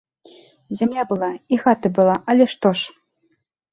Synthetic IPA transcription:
zʲamlʲabɨlˠaixat̪ɨbɨlˠaʔalʲɛʂt̪ɔʂ

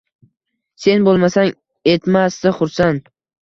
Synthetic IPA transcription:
se̞nbolˠmasaŋ | et̪masd̪ɪχʊɾsan

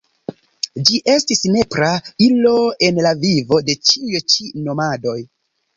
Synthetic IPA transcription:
d͡ʒiʔe̞stisne̞pɾailo̞e̞nlavivo̞de̞t͡ʃiujut͡ʃino̞mado̞j

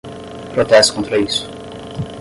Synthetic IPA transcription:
pɾot̪ɛst̪kõnt̪ɾɐisʊ̥

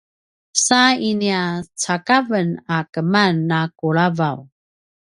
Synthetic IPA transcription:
sainiat͡sakavənakəmanːakuɭavaw

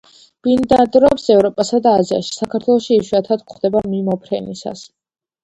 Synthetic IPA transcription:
b̥ind̪ad̪ɾɔpsɛvɾɔpʼasad̪aːzia̰ʃi̥sakʰaɾt̪ʰwɛlˠɔʃiːʃwuiat̪ʰad̪kʰχd̪̥ɛbamimɔpʰɾɛnḭsa̰s

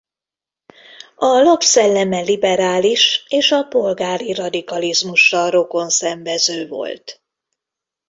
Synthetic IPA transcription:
ɒlɒpsɛlːɛmɛlibɛɾaːliʃeːʃɒpo̞lɡaːɾirɒd̪ikɒlizmuʃːɒro̞ko̞nsɛɱvɛzøːvo̞̰lt̪

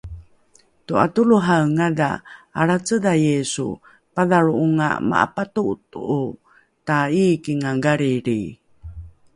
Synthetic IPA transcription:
tua̰tuluɦaŋada̰ːɾat͡sədajesṵ | paðaɾuuŋa̰ma̰ʔa̰patuʔtuʔu | taikiŋaɡaɾiɾi

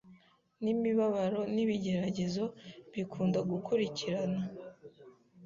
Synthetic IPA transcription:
nimiβaβaɾo̞niβiɟe̞ɾaɟe̞zo̞βikʰuːndaɡukʰuɾiciɾana

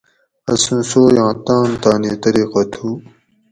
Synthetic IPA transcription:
ɐsũsoːjãːt̪ãːnt̪aːniːt̪ɐɾiːqɐt̪ʰuː

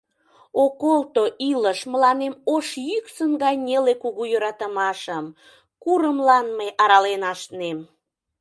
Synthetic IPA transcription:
okolt̪oʔiləʃməlɑnemoʃjyksəŋɡɑjnʲelekuɣujøɾɑt̪əmɑʃəm | kuɾəmlɑnməjʔɑɾɑlenɑʃnem

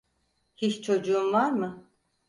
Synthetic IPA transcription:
hiʃt͡ʃʰo̞d͡ʒuumvaɾmɯ

